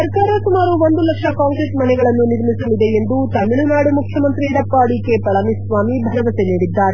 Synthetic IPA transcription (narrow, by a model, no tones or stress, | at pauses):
sɐɾkaːɾɐsumaːɾuʋo̞nd̪ulɐkʂɐkaːŋkɾeʈmɐnɛɡɐɭɐnːuniɾmisɐlid̪e̞end̪ut̪ɐmiɭunaːɽumukʰjɐmɐnt̪ɾiɽɐpːaːɽikepɐlɐmisʋaːmibʱɐnɐʋɐseniːɽid̪ːaːɾe